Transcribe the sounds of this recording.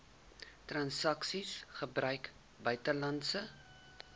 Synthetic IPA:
trɐnsɐksisχəbrœɥk | bœɥtəlɐntsə

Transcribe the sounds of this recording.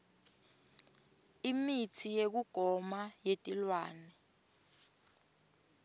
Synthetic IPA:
imitʰijek̬uɡ̥ʱɔmajetʼilwaːnɛ

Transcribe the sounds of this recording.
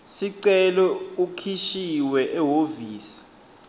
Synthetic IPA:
siǀɛlɔukʰiʃiwɛʔɛɦoviːsi̥

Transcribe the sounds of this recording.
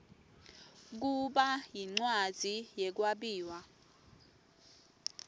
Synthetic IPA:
k̬uɓajiŋ͡ǀwad̥z̥ʱijɛk̬waɓiːwa

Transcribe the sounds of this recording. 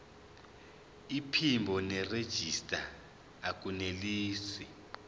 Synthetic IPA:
ipʰimbʱɔnɛred̥ʒ̥ʱistʼaː | k̬ʼuneliːsi

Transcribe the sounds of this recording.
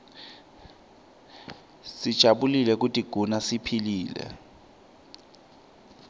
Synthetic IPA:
sid̥ʒ̥ʱaɓulilɛk̬utʼiɡ̥ʱunasipʰiliːlɛ̰

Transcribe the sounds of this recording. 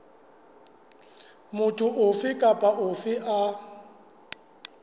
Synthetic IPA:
mʊtʼʊʔʊfɪkʼapʼaʔʊfɪʔa

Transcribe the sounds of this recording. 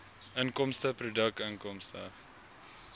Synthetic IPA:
əŋkɔmstəprudək̚təŋkɔmstə

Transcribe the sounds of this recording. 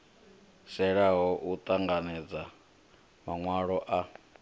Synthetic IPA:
sɛɺaɦɔʔut̪ʼaŋɡanɛd͡za | maŋwaɺɔʔa

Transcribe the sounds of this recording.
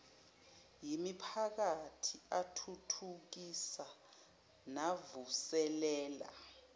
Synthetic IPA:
jimipʰak̬atʰiatʰutʰuk̬isa | navusɛlɛːla̰

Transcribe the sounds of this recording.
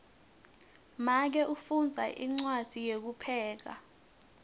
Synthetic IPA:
mak̬ɛʔufund͡zʱaʔiŋ͡ǀwad̥ʱijek̬upʰɛːk̬a̰

